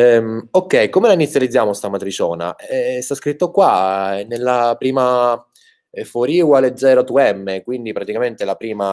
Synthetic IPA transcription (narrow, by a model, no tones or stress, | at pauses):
ɛmokːɛjkomelainit̪sjalid̪zːjaːmost̪amat̪ɾit͡ʃɔːna̰st̪askɾit̪ːokwanelːapɾiːma | foɾiːwaled̪zɛːɾot̪uɛmːekwind̪ipɾat̪ikament̪elapɾiːma